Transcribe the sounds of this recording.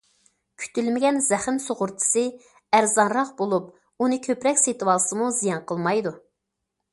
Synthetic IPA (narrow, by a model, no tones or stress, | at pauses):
kʲʰy̥t̪ʰylmɪɡʲɛnzæχɪnsoʁʊɾt̪ʰɨ̥sɨ | æɾzɑnɾɑqbolˠup | unɨkʲʰøpɾɛkʲset̪ʰɨwɑlˠɨsɨmuzijɑnqʰəlˠmɑjd̪u